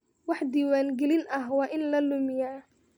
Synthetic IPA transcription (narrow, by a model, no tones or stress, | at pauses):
wɑħd̪iːwaːŋɡɛlɪnʔɐɦwɑːʔɪnlɐlʊmɪjaː